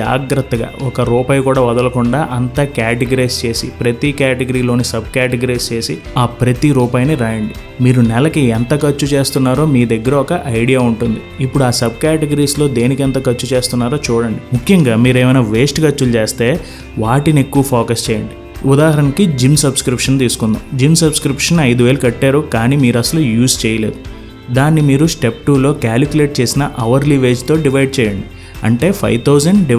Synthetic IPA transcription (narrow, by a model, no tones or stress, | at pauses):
a̰ːɡɾɐt̪ːɐɡa̰ːɔkɐɾuːpaːjkuːɽaːʋɐd̪ɐlɐkuɳɖaːʔɐnt̪aːkaːʈeɡɐɾɐjst͡ʃe̞ːsḭpɾɐt̪ikaːʈeɡɐɾiːlo̞ːnisɐb̚kaːʈeɡɐɾiːst͡ʃe̞ːsi | aːpɾɐt̪iɾuːpaːjniɾaːjɐɳɖi | miːɾunɛlɐkiɛnt̪ɐkɐt͡ʃːut͡ʃe̞ːst̪unːaːɾo̞ːmiːd̪ɐɡːɐɾɐɔkɐʔɐjɽijaːuɳʈund̪iipːuɽuaːsɐb̚kaːʈeɡɐɾiːslo̞ːd̪e̞ːnikɐnt̪ɐkɐt͡ʃːut͡ʃe̞ːst̪unːaːɾoːt͡ʃuːɽɐɳɖimukʰjɐŋɡaːmiːɾɛːmɐjnaːʋe̞ːsʈkɐt͡ʃːult͡ʃeːst̪e̞ː | ʋaːʈine̞kːuʋɐpʰoːkɐst͡ʃɛːjɐɳɖi | ud̪aːɦɐɾɐnikid͡ʒimsɐbskɾipʂɐnt̪iːsu̥kund̪a̰ːmd͡ʒimsɐbskɾipʂɐnɐjd̪uʋeːlukɐʈːaːɾukaːniːmiːɾuɐsɐlujuːst͡ʃɛːjɐle̞ːd̪u | d̪aːnːimiːɾusʈe̞p̚ʈuːlo̞ːkaːlikule̞ːʈ̚t͡ʃeːsinɐʔɐʋɐɾliʋe̞ːd͡ʒt̪o̞ːɖiʋɐjɖt͡ʃɛːjɐɳɖi | ɐ̰ɳʈe̞ːpʰɐ̰jt̪ʰɐwd͡ʒɐɳɖɖi